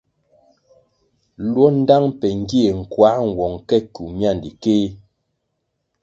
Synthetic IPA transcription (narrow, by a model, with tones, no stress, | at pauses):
lwɔ˦n̩˦da˦ŋpɛ˨ŋ˦ɡe˦e˨ŋ̩˨kwa˨˦ŋ˨wɔ˨ŋkɛ˦ku˨mja˦˨ndi˨keː˦